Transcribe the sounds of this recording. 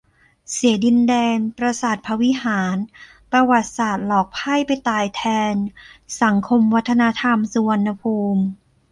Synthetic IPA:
si˩˦ədi˧ndɛː˧npɾa˧saː˨˩t̪̚pʰa˧wi˦˥haː˩˦n | pɾa˧wa˨˩t̪̚saː˨˩t̪̚lɔː˨˩k̚pʰa˥˩jpa˧jt̪aː˨˩jt̪ʰɛː˧nsa˩˦ŋkʰo˧mwa˦˥t̪ʰːa˧na˧˥t̪ʰa˧msu˧wa˧nːa˧pʰuː˧m

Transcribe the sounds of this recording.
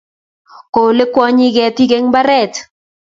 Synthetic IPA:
ko˨le˦kwɔ˦ɲi˦ɣɛ˨t̪i˦ɡe˦ŋba˦ɾɛ˦˨t̪

